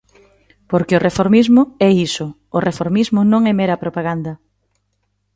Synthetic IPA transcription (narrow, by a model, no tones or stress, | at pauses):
poɾkɪʊrʔefoɾmizmʊɛisʊ | ʊrefoɾmizmʊnõŋɛmɛɾɐpɾopaɣand̪ɐ